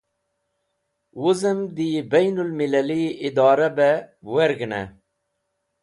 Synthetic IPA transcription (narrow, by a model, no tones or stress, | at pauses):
wuzəmd̪ibejnulmilaliid̪ɑːɾabɛweɾɡnḛ